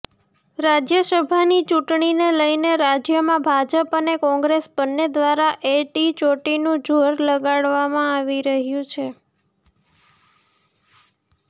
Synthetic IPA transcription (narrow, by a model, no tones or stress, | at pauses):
ɾad͡ʒjəsəbʱanit͡ʃuʈɳineləjneɾad͡ʒjəmãbʱad͡ʒəpənekɔ̃ŋɡɾesbənːed̪ʋaɾaʔeʈit͡ʃoʈinũd͡ʒʱoɾləɡaɽʋamãaʋiɾəɦjũt͡ʃʰe